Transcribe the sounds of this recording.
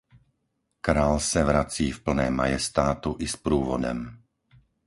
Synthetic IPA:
kɾaːlsaʋɾat͡siːfpl̩nɛːma̰jɛst̪aːt̪uʔispɾuːʋɔd̪ɔ̰m

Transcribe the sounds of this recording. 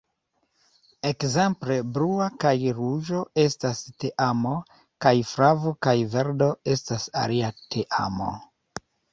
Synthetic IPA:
e̞kze̞mple̞bɾuakajɾuʒo̞e̞staste̞ʔamo̞ | kajfɾavokajve̞ɾdo̞e̞stasa̰liatʰeʔa̰mo̞̰

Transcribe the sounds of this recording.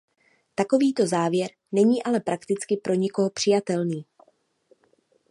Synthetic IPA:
t̪ako̞viːt̪o̞zaːvjɛɾ | nɛɲiːʔalɛpɾʔakt̪ɪt͡skɪpɾʔo̞ɲɪko̞ɦo̞pr̥ɪjat̪ɛlniː

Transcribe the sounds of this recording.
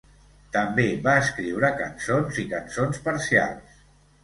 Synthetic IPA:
t̪əmbeβaəskɾiwɾəkənsonzikənsonspəɾsia̰lˠs

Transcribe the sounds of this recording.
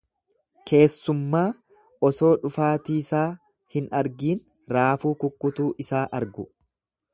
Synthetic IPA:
kʰe̞ːsːʊmːaː | ɔso̞ːᶑʊfaːt̪iːsaː | hɪnɐɾɡiːn | ɾaːfuːkʊkːʊt̪uːʔɪsaːʔɐɾɡʊ

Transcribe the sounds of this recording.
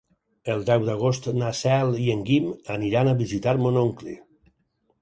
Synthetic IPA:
əlˠd̪ɛwd̪aɣ̞ost̪nasɛlˠieŋɡimaniɾanaβizit̪aɾmonoŋklḭ

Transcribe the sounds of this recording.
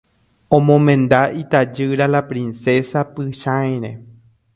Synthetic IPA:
õmõmẽ̞nd̪ait̪ad͡ʒɨɾalapɾinsesapɨʃãj̃ɾe

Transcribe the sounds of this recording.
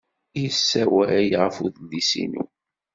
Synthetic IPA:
iəsːæwææjʁəfuðlisḭnṵ

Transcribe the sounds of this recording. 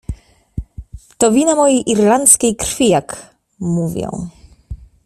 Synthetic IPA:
t̪ɔvʲinamɔjejʔiɾlant̪skʲejkɾfʲijak | muvʲjɔ̰̃w̃

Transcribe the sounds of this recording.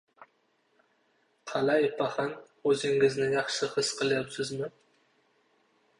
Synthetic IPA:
qʰɑlajpʰaχɑn | ɵzɪŋɪznɪjɑχʃɪhɨsqɨlˠjapsɪzmɪ

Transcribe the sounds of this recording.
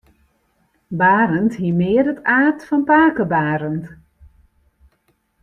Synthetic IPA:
baːɾənthiəmɪərdətaːtfɔnpaːkəbaːɾənt

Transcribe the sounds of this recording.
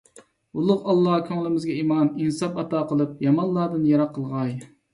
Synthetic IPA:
ulˠʊqɑlˠːɑhkʲʰɑŋlˠɪmɪzɡʲɛimɑninsɑpɑt̪ɑːqəlˠɨp̚jɑmɑnlˠɑɾd̪ɨnjɑɾɑqʰːəlˠʁɑj

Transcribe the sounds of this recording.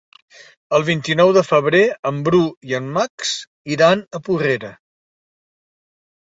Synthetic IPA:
əlˠβ̞int̪inɔwðəfəβ̞ɾeəmbɾuiəmːaks | iɾanəpureɾə

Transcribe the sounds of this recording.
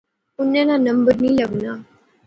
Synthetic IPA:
unːãnanəmbəɾniːlaɡna

